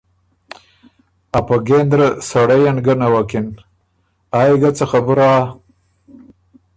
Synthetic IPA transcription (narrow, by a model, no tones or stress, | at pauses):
apaɡend̪ɾəsaɽajanɡanawakin | ajɡat͡saxabuɾa